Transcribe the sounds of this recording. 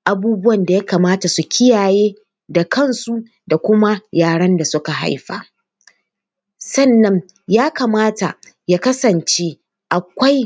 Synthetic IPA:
ʔa˨buː˦bʊ˦wɐ˨nda˨ja˦kaː˨maː˦ta˨su˨kʲɪ˦jaː˨jeː˦ | da˨kɐ˦˨nsu˦ | da˨kʷʊ˦ma˦jaː˨ɽɐ˦nda˨sʊ˦ka˨ɦa̰˦jɸa̰ː˨ | sɐ˦˨nːɐ˦ŋ | jaː˦ka˨maː˦ta̰˨ | jaː˦kɐ˦sɐ˨nt͡ʃeː˦ | ʔa˨kʷa˦j

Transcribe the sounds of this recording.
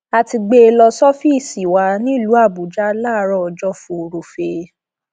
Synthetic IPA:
a˨ti˧ɡ͡be˦e˧lɔ˧sɔ˦fi˦˨si˨wa˧nĩ˦˨lu˨˦a˦˨bu˨d͡ʒa˦la˦˨˦ɾɔ˧˨ɔ˧d͡ʒɔ˦fũ˧ɾo˨fe˧

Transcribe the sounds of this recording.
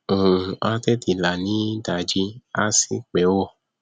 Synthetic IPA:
a˧t̪ɛ˦ti˨la˨nĩ˨˦da˨d͡ʒi˧a˦si˦k͡pɛ˨˦wo˦˨

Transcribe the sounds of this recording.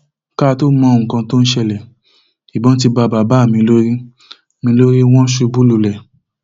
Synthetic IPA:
ka˦˧to˦mɔ̃˧˦o˨ũ˨kã˧to˦n̩˦ʃɛ˧˨lɛ˨ | i˨bɔ̃˨˦t̬i˧ba˧˨ba˨ba˦˨mĩ˧lo˦ɾi˦ | mĩ˧lo˦ɾi˦w̃ɔ̃˦ʃu˧bu˦lu˧˨lɛ˨

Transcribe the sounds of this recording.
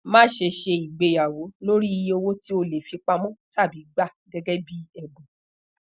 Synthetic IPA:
mãː˦ʃe˧ʃe˧i˨ɡ͡be˧ja˨wo˨˦lo˦ɾi˦i˧jo˧wo˦ti˦o˧le˨fi˧k͡pa˧mɔ̃˦ta˦˨bi˨˦ɡ͡ba˦˨ɡɛ˦ɡɛ˦bi˦ɛ˦˨bũ˨

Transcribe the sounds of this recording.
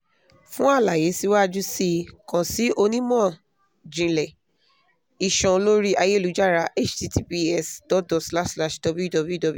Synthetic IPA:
fũ˦a˦˨la˨je˨˦si˦wa˦˨d͡ʒu˦si˦kã˨si˦ʔo˧nĩ˦mɔ̃˦˨ | d͡ʒĩ˧lɛ˨ | i˨ʃɔ̃˨˧lo˦ɾi˦ʔa˧je˦˨lu˨˦d͡ʒa˦˨ɾa˧ʔe˦t͡ʃti˧ti˧pi˧ɛ˦˨sd̥ɔ˨˦t̚dɔ˨ɡsla˦ʃsla˦˨ʃdɔ˧bu˦ju˦˨dɔ˨˧bu˦ju˦dɔ˨b

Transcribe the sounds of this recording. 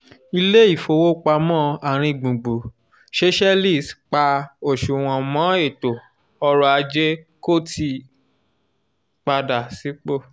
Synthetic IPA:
i˧le˦i˦˨fo˧wo˦k͡pa˧mɔ̃˦a˨ɾ̃ĩ˧ɡ͡bũ˨ɡ͡bu˨ | ʃe˦ʃɛ˦li˦˨stk͡pa˧o˨ʃu˨w̃ɔ̃˨mɔ̃˨˦e˦˨to˨ | ɔ˧ɾɔ˧a˧d͡ʒe˦ko˦˨ti˧ | k͡pa˧da˨si˨˦k͡po˦˨

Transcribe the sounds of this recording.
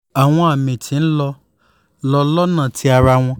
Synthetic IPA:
a˨w̃ɔ̃˧a˨mĩ˨tʰĩ˨˦n̩˦lɔ˧˦ | lɔ˧˦lɔ˦nã˦˨tʰi˦a˧ɾa˧w̃ɔ̃˧

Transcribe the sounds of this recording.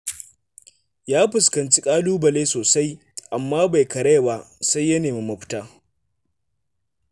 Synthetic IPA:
jaː˦ɸɪ˨skɐ˨nt͡ʃi˦kʼaː˦luː˦bɐ˨leː˦soː˨sa˦j | ʔa˨mːaː˦ba˨jkɐ˨ɽe˦˨ba˦sa˦jːɐ˦neː˨mi˦mɐ˨ɸɪ̥˦taː˦

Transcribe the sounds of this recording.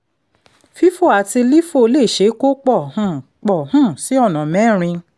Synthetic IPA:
fi˦fo˦˨a˨ti˧li˦fo˦˧˦le˦˨ʃe˨˦ko˦k͡pɔ˦˨hũ˦˨ | k͡pɔ˦˨hũ˦˨si˨˦ɔ˦˨nã˨mɛ̃˨˦˨ɾ̃ĩ˧

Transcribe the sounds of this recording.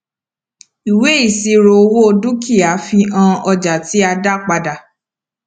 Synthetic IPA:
i˨we˨˦i˦˨si˧˦ɾo˧o˧wo˦o˧du˦kʰi˦˨a˨˦fi˧ã˧ɔ˧d͡ʒa˨ti˨˦a˧da˦k͡pa˧da˨

